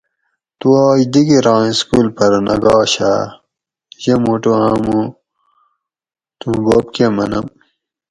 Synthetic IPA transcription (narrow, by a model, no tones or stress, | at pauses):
t̪uaːjd̪iɡiɾãːskuːlpɐɾnɐɡɑːɕa̰ | ʑemuʈuãːmu | t̪ũboːpkemɐnɐm